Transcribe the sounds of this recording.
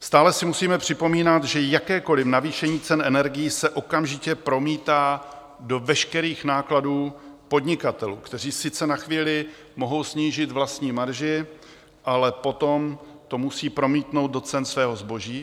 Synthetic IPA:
st̪aːlɛsɪmusiːmɛpr̝̥ɪpo̞miːnat̪ʒɛjakɛːko̞lɪfnaviːʃɛɲiːt͡sɛnʔɛnɛɾɡɪjisɛʔo̞kamʒɪcɛpɾo̞miːt̪aː | do̞vɛʃkɛɾiːxnaːkladuːpo̞d̪ɲɪkat̪ɛlṵːkt̪ɛr̝iːsɪt͡sɛnaxviːlɪ | mo̞ɦo̞wsɲiːʒɪt̪vlast̪ɲiːmaɾʒɪ | ʔalɛpo̞t̪o̞mt̪o̞musiːpɾo̞miːt̪no̞wd̪̚do̞t͡sɛnsvɛːɦo̞zbo̞ʒiː

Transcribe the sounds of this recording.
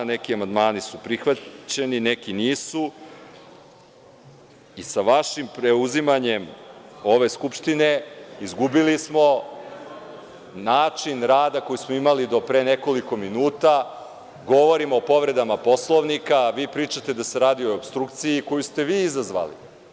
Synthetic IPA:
ne̞kiamand̪maːnisupɾixʋat͡ɕe̞ninekiniːsu | isaʋaʃimpɾeuzimaɲemo̞ʋe̞skupʃt̪ine̞izɡubilismo̞ | naːt͡ʃinɾaːd̪ako̞jusmo̞imalid̪o̞pɾeːne̞ko̞liko̞minuːt̪a | ɡo̞ʋo̞ɾimoopo̞ʋɾe̞d̪amapo̞slˠoʋnikaʋiːpɾiːt͡ʃat̪ed̪ase̞ɾaːd̪io̞obst̪ɾukt̪sijiko̞just̪e̞ʋiːizazʋa̰lḭ

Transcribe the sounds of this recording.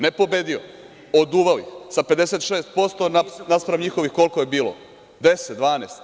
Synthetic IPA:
nepo̞bed̪io | od̪uːʋalḭxsape̞d̪eset̪ʂeːst̪̚po̞st̪o̞nanaspɾaʋɲixoʋixko̞lkojebiːlo̰ | d̪eset̪̚d̪ʋaːneːst̪

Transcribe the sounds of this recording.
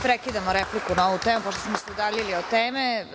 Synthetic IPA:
pɾekid̪amoɾeplikunaoʋut̪eːmupoʃt̪osmosɛod̪aʎiliot̪eːme

